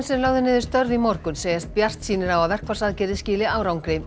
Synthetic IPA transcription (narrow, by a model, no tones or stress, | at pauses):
nsɛnlaːɣðʏnɪːðɪɾst̪œɾðimɔr̥kʏnseːjast̪̚pjar̥t̪siːnɪɾawaðvɛr̥kvḁsaðcɛːɾɪsciːlɪaːwɾawŋkɾɪ